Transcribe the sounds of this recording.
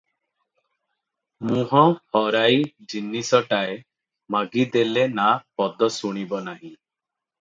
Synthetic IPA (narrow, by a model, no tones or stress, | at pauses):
mũɦɔ̃hɔɾajd͡ʒinːisɔʈae | maɡid̪elenapɔd̪ɔsuɽ̃ibɔnaɦĩ